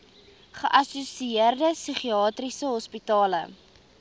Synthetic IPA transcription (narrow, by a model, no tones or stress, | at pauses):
χəʔɐsusiiərdəsyχiɑːtrisəɦɔspitɑːlə̰